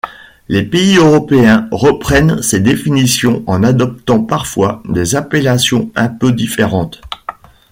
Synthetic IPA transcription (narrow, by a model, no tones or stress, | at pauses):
lepeiøʁɔpeɛ̃ʁəpχɛnsed̪efinisjɔ̃ɑ̃nad̪ɔp̚t̪ɑ̃paʁfwad̪ezapelasjɔ̃ɛ̃pød̪ifeʁɑ̃t̪